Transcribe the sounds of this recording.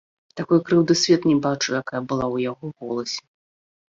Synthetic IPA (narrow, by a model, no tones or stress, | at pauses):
t̪akɔjkɾɨwd̪ɨsʲvʲɛt̪nʲɛbat͡ʂujakajɐbɨlˠawjaɣɔɣɔlˠɐsʲɛ̥